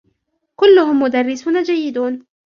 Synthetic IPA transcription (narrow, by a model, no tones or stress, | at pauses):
kʊlːʊhʊmːʊd̪arːɪsuːnad͡ʒajːɪd̪uːn